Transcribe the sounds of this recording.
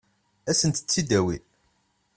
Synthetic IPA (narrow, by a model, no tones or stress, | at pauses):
æsənt̪ə̥t͡sːid̪æwḭ